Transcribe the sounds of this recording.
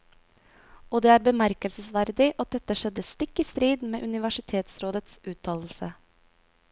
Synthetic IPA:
oːd̪eːæːɾbəmæɾkəlsəsʋæɾd̪ɪʔɑt̪̚d̪ɛt̪əʃɛd̪əst̪ɪkːiːst̪ɾiːd̪mḛːʔʉnɪʋæʂɪt̪ʰeːt̪sɾoːd̪ət̪sʉːt̪ʰɑːll̩sə

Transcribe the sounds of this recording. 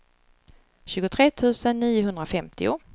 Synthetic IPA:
ɕʉ̟ːɡʊt̪ʰɾeːt̪ʰʉ̟ːsənːiːʊɦɵnd̪ɾafɛmt̪ʰɪʊ̰

